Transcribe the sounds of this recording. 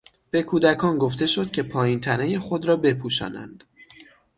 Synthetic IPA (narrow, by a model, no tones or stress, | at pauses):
b̥e̞kʰuːd̪ækʰɒːnɡo̞ft̪e̞ʃo̞d̪̥cʰʲe̞pʰɒːjint̪ʰænejexo̞d̪ɾɒːbe̞pʰuːʃɒ̰ːnæ̰nd̪̥